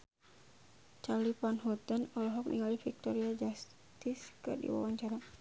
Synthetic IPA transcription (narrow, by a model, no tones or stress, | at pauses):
t͡ʃalipanɦɔt̪ənɔlɔɦɔk̚nḭŋalifik̚t̪ɔɾiad͡ʒas | t̪iskə̰dḭwa̰waɲt͡ʃaɾa